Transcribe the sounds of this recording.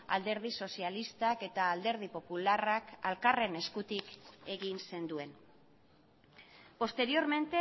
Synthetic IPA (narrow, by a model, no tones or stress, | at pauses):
a̰ld̪e̞ɾð̞iso̞sialist̪ake̞t̪aːld̪e̞ɾð̞ipo̞pularaka̰lkare̞ne̞skut̪ike̞ɣinse̞nd̪ue̞n | po̞st̪e̞ɾio̞ɾme̞nt̪e